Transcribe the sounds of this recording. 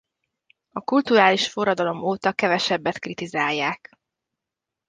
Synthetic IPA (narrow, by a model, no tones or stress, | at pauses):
ɒkult̪uɾaːliʃfo̞rɒd̪ɒlo̞moːt̪ɒkɛvɛʃɛbːɛt̪krit̪izaːjːaːk